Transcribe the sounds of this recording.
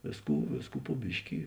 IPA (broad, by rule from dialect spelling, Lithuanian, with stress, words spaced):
ˈʋʲeːsˌkuː ˈʋʲeːsˌkuː poː ˈbʲɪʃʲkʲɪ